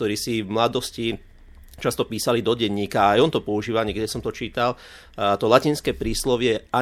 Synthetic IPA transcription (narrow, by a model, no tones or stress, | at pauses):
t̪ɔɾiːsivmlad̪ɔsci | t͡ʃast̪ɔpiːsalid̪ɔɟɛɲːiːkaajɔnt̪ɔpɔuʒiːʋaɲɛkɟɛsɔmt̪ɔt͡ʃiːt̪al | t̪ɔlaciːnskɛːpɾiːslɔʋɪɛʔa